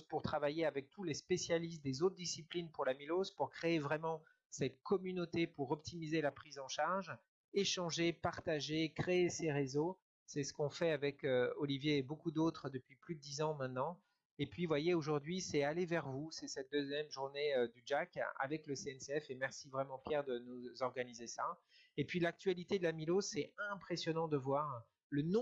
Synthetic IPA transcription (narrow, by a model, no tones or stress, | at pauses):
puʁt̪χavajeavɛk̚t̪ʰulespesjalist̪̚d̪ezot̪χd̪isiplinpuʁlamilozpuʁkχeːvʁɛmɑ̃ | sɛt̪̚kʰɔmynot̪epuʁɔp̚t̪ʰimizelapχizɑ̃ʃaʁʒ | eʃɑ̃ʒepaʁt̪aʒekχeːseʁezo | sɛsə̥kɔ̃fɛavɛkøɔlivjeːbokud̪ot̪χəd̪əpɥiplyd̪əd̪izɑ̃mɛ̃t̪nɑ̃ | epɥivwajeoʒuʁd̪ɥisɛalevɛʁvusɛsɛt̪̚d̪øzjɛmʒuʁneød̪yd͡ʒaka̰vɛkləseɛnseɛfemɛʁsivʁɛmɑ̃pjɛʁd̪ənuzɔʁɡanizesa | epɥilak̚t̪ɥalit̪ed̪əlamilosɛɛ̃pχesjɔnɑ̃d̪əvwaʁ | lənɔ̃